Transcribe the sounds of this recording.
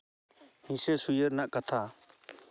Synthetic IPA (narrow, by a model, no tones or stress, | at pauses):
hĩsɛsujəɾnaʔkat̪ʰa